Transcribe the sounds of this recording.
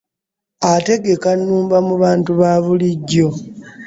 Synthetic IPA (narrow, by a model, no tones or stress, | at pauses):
ate̞ɡe̞kanːuːmbamuβaːntuβaːβuliɟːo̞